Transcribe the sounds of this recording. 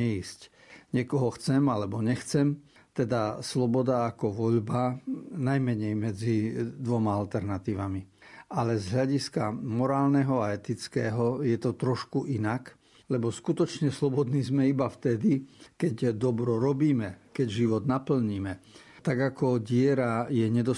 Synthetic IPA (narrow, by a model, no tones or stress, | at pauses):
ɛisc | ɲɪɛkɔɦɔxt͡sɛmalɛbɔɲɛxt͡sɛm | t̪ɛd̪aslɔbɔd̪aːkɔʋɔʎbanajmɛɲɛjmɛd͡zid̪ʋɔmaalt̪ɛɾnat̪iːʋamialɛzɦlʎaɟiskamɔɾaːlnɛɦɔaɛt̪it͡skɛːɦɔjɛt̪ɔt̪ɾɔʃkuʔinak | lɛbɔskut̪ɔt͡ʃɲɛslɔbɔd̪niːzmɛibaft̪ɛd̪ikɛɟd̪ɔbɾɔɾɔbiːmɛkɛɟʒiʋɔd̪napl̩ɲiːmɛ | t̪aɡakɔɟɪɛɾajɛɲɛd̪ɔ